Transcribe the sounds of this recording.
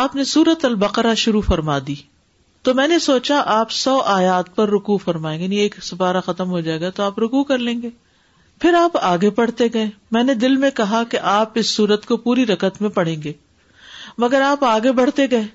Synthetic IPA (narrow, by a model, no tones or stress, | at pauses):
aːpnesuːɾət̪ɐlbɐqɾaʃʊɾufɐɾmad̪iː | t̪omɛ̃ːnesoːt͡ʃaʔaːpsɔːʔaːjaːt̪̚pɐɾːʊkufɐɾmaːẽːɡanieːksɐfaːɾaxɐt̪əmɦod͡ʒaːeːɡat̪oaːpɾʊkukɐɾlẽːŋɡeː | pʰɪɾaːpaːɡepɐɽ̤t̪eɡɐẽːmɛ̃ːned̪ɪlmẽkɐɦakeʔaːpɪsːuːɾət̪kopuːɾiɾɐkət̪mẽpɐɽ̤ẽːŋɡeː | mɐɡəɾaːpaːɡebɐɽ̤t̪eɡɐẽː